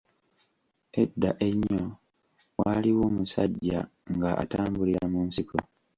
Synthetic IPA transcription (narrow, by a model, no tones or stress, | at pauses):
e̞dːaʔe̞ɲːo | waːliwoːmusaɟːa̰ŋɡaʔa̰taːmbuliɾamuːnsiko